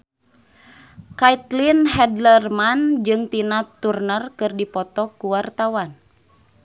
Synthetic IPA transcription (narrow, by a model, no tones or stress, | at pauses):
kait̪linɦɛdlərmand͡ʒɨŋt̪inat̪urnərkɨrdipɔt̪ɔkuwart̪awan